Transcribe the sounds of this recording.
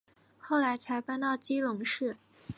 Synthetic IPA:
xo˥˩ʊla˧˥ɪt͡sʰa˧˥ɪpa˥˧nt̪ɑ˥˩ʊt͡ɕi˥lʊ˧˥ŋʂɻ̩˥˩

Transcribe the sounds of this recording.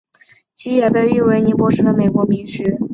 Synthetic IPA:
t͡ɕʰi˧˥jɛ˨˩pe˥˧ɪy˥˩we˧˥ɪni˧˥pwɔ˧˥ʂɻ̩˥d̪ə˨me˨˩ɪkwɔ˧˥mi˧˥ŋʂɻ̩˧˥

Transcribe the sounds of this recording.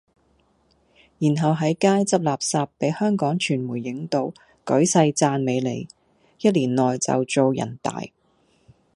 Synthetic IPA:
jiː˨˩nɦɐ˨wɦɐ˨˥jkaː˥jt͡sɐ˥p̚laː˨p̚saː˧pːe˨˥jhœː˥ŋkɔː˨˥ŋt͡ʃʰyː˨˩nmuː˨˩jːɪ˨˥ŋt̪o˨˧˥w | kɵ˨˥ɥsɐ˧jt͡saː˧nme˨˧jlḛ˨˧j | jɐ˥t̚liː˨˩nlɔː˨jt͡sɐ̰˨wt͡so˨˧wjɐ̰˨˩nt̪a̰ː˨j

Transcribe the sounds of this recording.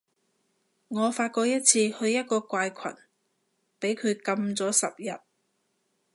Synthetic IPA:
ŋɔː˨˧faː˧t̚kɔː˧k̚jɐ˥t̚t͡sʰiː˧hɵ˧ɥjɐ˥t̚kɔː˧kʷaː˧jkʰɐ̰˨˩n | pe˨˥jkʰɵ˨˧ɥkɐ˧mt͡sɔː˨˥sɐ˨p̚jɐ˨t̚

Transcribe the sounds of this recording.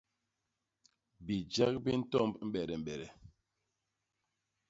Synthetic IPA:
bi˨d͡ʒa˦k̚bi˦n̩˦tɔ˦mbm̩˦ɓɛ˨ɾɛ˨m̩˨ɓɛ˨ɾɛ˨

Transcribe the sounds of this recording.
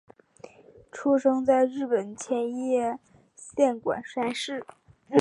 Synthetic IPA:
ʈ͡ʂʰu˥ʂɤ˥ŋt͡sa˥˧ɪɻɻ̩˥˩pə˨˩nt͡ɕʰjɛ˧˥njɛ˥˧˩ | ɕjɛ˥˩nkwa̰˨˩nʂa˥nʂɻ̩˥˩

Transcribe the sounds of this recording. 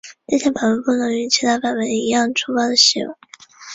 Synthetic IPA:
ʈ͡ʂe˥˩˧ɕʰjɛ˥pa˨˩nwə˧˥pu˥˩nɤ˧˥ŋy˧˥t͡ɕʰi˧˥t̪ʰa˥˩pa˨˩nwə˧˥n˧i˧˥jɑ˥˩ŋʈ͡ʂʰu˥pɑ˥˩d̪ə˩ɕḭ˧˥wḛ˧˩˦

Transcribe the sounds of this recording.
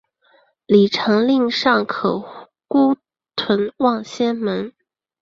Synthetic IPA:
li˨˩ʈ͡ʂʰɤ˧˥ŋli˥˧ŋʂɑ˥˩ŋkʰɤ˨˩ | ku˥ | t̪ʰwə˧˥nwɑ˥˩ŋɕjɛ˥nmə˧˥n

